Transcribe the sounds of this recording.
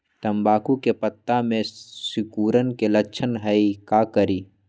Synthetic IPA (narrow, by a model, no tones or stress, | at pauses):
t̪ɐmbaːkukepət̪ːamẽsʊkuːɾənkeləkt͡ʃʰənɦəikakəɾiː